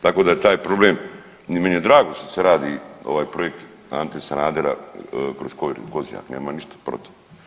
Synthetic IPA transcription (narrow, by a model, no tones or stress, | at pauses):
t̪akod̪ajet̪aːjpɾo̞bleːm | nimenijed̪ɾaːɡo̞st̪aseɾaːd̪io̞̰ʋaːjpɾojek̚t̪ | a̰nt̪esanaːd̪eɾa̰kɾoskoɾkozija̰ːkneːmaniʃt̪ḁpɾo̰t̪i̥